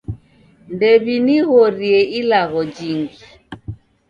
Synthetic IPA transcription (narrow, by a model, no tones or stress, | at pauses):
ndɛβiniɣɔɾiɛilaɣɔd͡ʒiŋɡi